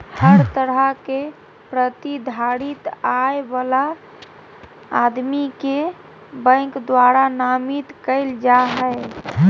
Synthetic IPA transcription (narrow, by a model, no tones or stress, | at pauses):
həɾt̪əɾəke | pɾət̪id̪ʱaɾit̪aebala | d̪mike | bə̃ɪkd̪waɾanamit̪kəɪld͡ʒaɦɛ